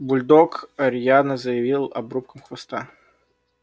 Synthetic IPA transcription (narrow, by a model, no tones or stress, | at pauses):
bʊlʲd̪okɐɾʲjanəzəjɪvʲilˠɐ̰bɾup̚kəmxvɐst̪a